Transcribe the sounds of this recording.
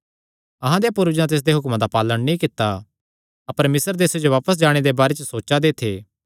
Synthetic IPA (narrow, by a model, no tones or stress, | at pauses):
ɐɦãd̪ejapʊɾd͡ʒnãt̪eːs̬d̪eɦʊkmãd̪apaːləɽnĩkɪt̪ːa | ɐpəɾmɪsəɾd̪eːsed͡ʒoʋaːpəsd͡ʒaːɽ̃ed̪ebaːɾet͡ʃəsoːt͡ʃad̪eːt̪ʰeː